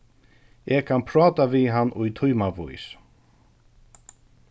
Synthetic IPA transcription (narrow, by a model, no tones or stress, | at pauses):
ɛɣkʰanpʰɾɑːt̪aviɦanːʊjt̪ʰʊjmavṵjs